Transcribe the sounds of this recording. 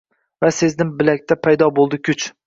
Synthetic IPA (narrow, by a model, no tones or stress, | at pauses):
vase̞znɪmbɪlak̚ʲt̪ʰapʰajd̪ɒbolˠd̪ɪkʲʰʊt͡ʃ